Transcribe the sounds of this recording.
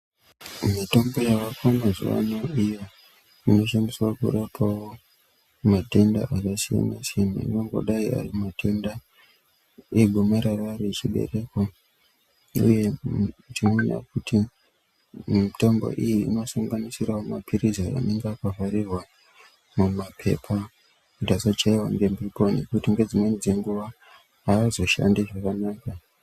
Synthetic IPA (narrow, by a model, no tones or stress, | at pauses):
mito̞mbo̞jaʋakamazṵʋa̰noijo̞ | ino̞ʃamisakṵɗapʰawo | mate̞nda̰ʔakasija̰masema̰ḭno̞ŋɡo̞̰ɗaia̰rimatʰe̞nda | eɡʱomeɾararit͡ʃiɓe̞̰re̞ko | ṵje̞tinona̰kutʰi | mito̞mbo̞̰ʔijiːḭno̞saŋɡanisiraomapʰiɾizaa̰ne̞ŋɡakavaɾirwa | mumapʰe̞̰pʰa | kutasat͡ʃaiwaŋɡembikonḛkutiŋɡe̞d͡zimwe̞nid͡zeŋɡuʋa | aːzo̞ʃa̰ndiʐakanaːka